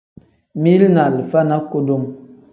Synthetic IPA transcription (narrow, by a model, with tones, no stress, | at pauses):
mi˦lna˨lə˨fa˦na˦ko˦do˦m